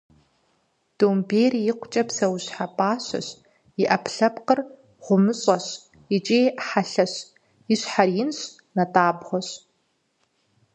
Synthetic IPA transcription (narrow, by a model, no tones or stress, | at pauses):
d̥oːmbeːrjɪqʷʊt͡ʃʼɐpsɐwɕħapʼaːɕɐ̰ɕ | jɪʔɐpʰɬɐpqər | ʁ̥ʷʊmɨɕʼɐɕ | ɪt͡ʃʼeːħaɬɐɕ | jɪɕħarjɪnɕ | nɐtʰʼaːbʁʷɔɕ